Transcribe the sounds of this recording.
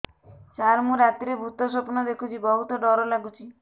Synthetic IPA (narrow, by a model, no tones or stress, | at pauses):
t͡ʃaɾmuɾat̪iɾebʱut̪ɔs̬ɔpɔnɔd̪ekʰut͡ʃʰibɔɦut̪ɔɖɔɾɔlaɡut͡ʃʰi